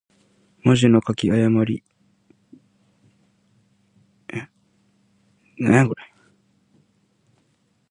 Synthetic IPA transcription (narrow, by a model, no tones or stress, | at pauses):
maʑino̞kakʲiajamaɾʲi | neɡɯɾai